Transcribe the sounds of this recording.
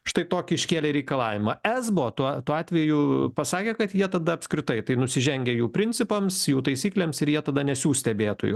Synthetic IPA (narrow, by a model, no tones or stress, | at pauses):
ʃt̪ɐɪt̪oːkʲɪɪʃʲkʲeːlʲeɾʲɛɪkɐlˠɑːʋʲɪmɑɛzbot̪uɔt̪uːɑːt̪ʲʋʲɛjʊpɐsɑːkʲeɛkɐt̪jiɛt̪ɐd̪ɐɐpʲskɾʲɪt̪ɐɪt̪ɐɪnʊsʲɪʒʲɛŋʲɡʲɛjuːpʲɾʲɪnʲt͡s̪ʲɪpɐmsjuːt̪ɐɪsʲiːklʲeːmsɪɾjiɛt̪ɐd̪ɐnʲɛsʲuːsʲt̪ʲɛbʲeːt̪o̰jʊ